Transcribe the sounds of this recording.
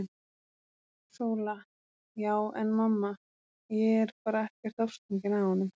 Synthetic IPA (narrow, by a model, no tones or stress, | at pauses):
soːwla | jaːwɛnmamːa | jɛɛɾ̥paːɾaɛhcɛɾ̥t̪afst̪iɲcɪnahɔnːʏm